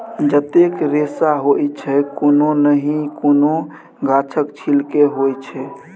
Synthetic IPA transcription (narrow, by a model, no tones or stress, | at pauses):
d͡ʒət̪ekɾesaɦojt͡ʃʰɛkononəɦĩkono | ɡat͡ʃʰəkt͡ʃʰilkeɦojt͡ʃʰɛ